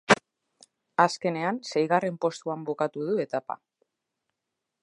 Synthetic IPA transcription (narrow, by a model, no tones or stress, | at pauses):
aske̞ne̞anse̞jɣ̞are̞mpo̞st̪uambukat̪uð̞ue̞t̪apa̰